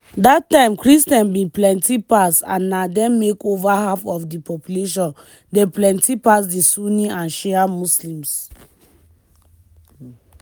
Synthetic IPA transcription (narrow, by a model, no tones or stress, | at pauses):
datːãɪ̃mkɹistɛ̃nbĩplɛ̃ntipasã̰nːadɛ̃nmekovaɦafɔfdipɔpjuleʃ̬ɔ̃n | deplɛ̃ntipas̬disuniãnʃɛamuslĩms